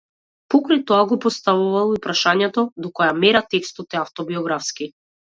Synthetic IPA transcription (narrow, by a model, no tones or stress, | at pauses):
pɔkɾajt̪ɔaɡɔpɔst̪avuvalˠipɾaʃaɲɛt̪ɔd̪ɔkɔjamɛɾat̪ɛkst̪ɔt̪ɛaft̪ɔbiɔɡɾafski